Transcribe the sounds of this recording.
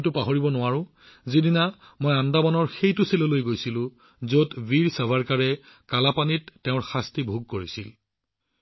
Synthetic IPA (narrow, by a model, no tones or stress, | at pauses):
tʊpaɦoɹibɔnʊwaɹʊ̃ | zidina | mojandamɔnɔɹxejtʊselolojɡojsilʊ̃ | zotbiɹsabʱaɹkaɹɛ | kalapanitːeʊ̃ɹxastibʱuɡ̚koɹisil